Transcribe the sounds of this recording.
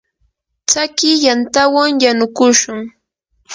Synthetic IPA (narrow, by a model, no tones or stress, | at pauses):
t͡sakɪjant̪awaŋjanʊkʊʃʊŋ